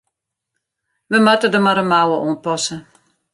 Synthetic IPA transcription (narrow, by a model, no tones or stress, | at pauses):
ʋəmatədəmaɾəmawəʔoːnpɔsə